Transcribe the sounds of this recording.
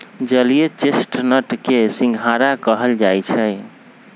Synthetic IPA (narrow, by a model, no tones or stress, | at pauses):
d͡ʒəlijet͡ʃesʈnəʈkesĩŋɡʱɦaɾakəɦəld͡ʒajt͡ʃʰəj